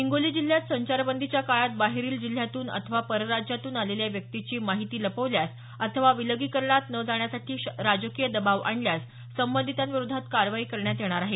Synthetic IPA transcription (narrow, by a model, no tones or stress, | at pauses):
iŋɡoliːd͡ʑil̤ːjat̪səɲt͡ɕaɾbənd̪ʱit͡ɕjakaɭat̪̚baɦeɾiːld͡ʑil̤ːjat̪uːnə̰t̪ʰəʋapəɾəɾad͡ʑjat̪uːnaleljaʋjək̚t̪it͡ɕiːmaɦit̪iːləpəʋljas | ət̪ʰəʋaʋiləɡiːkəɾɳat̪nəd͡zaɳjasaʈʰiːɾad͡zəkijəd̪əbaʋa̰ɳljas | səmbənd̪ʱit̪anʋiɾud̪ʱat̪kaɾʋaikəɾɳjat̪jeɽ̃aɾaɦe